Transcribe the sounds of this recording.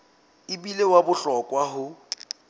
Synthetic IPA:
ɪbilewabʊɬɔkʼwaɦʊ

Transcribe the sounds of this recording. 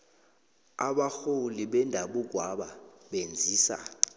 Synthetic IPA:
aɓaxoliɓɛndʱaɓuɡ̬waɓaɓend͡zʱiːsa̰

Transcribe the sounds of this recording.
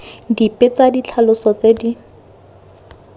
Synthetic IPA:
dipʼɪt͡sadit͡ɬʰalʊsɔt͡sedi

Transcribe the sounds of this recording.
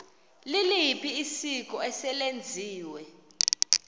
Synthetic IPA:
lilijipʰʼiːsik̬ʼɔɛsɛlend͡zʱiːwɛ

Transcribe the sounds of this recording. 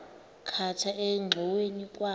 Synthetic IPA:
kʰatʰaɛŋ͡ǁʱɔwenikʼwa

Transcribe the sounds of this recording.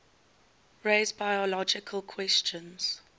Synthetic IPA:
ɹeːzbajɔlɔd͡ʒɪkʰəlˠkʰwɛst͡ʃə̃nz̥

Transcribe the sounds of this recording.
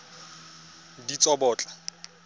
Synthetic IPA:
dit͡sʼɔbɔːt͡ɬʼa

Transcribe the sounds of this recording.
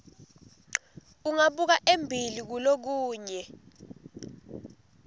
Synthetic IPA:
uŋaɓuk̬aʔembʱilik̬ulok̬uːɲɛ

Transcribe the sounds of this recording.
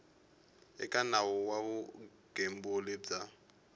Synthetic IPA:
ɛ̰kʼanawɔwaβu | ɡ̥em̩bolɪd͡za

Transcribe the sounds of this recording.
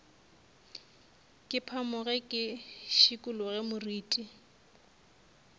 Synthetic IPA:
kʼɪpʰamʊɣɛkʼɪʃikʼʊlʊɣɛmʊriːtʼi

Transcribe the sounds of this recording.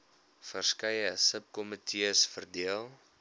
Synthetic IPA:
fərskɛjəsəp̚kɔmətʰiəsfərdiəlˠ

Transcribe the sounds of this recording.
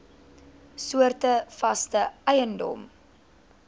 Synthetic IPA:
suərtəfɐstəɛjəndɔ̰m

